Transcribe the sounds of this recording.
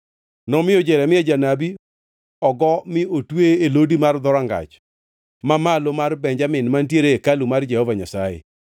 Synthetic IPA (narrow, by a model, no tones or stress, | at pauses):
nɔmɪjɔd͡ʒɛɾɛmɪɛd͡ʒanabi | ɔɡɔmɪotweelodimard̪ɔɾaŋɡa̰t͡ʃ | mamalomarbɛɲd͡ʒamɪnmantjeɾekalumard͡ʒɛhovaɲasajḛ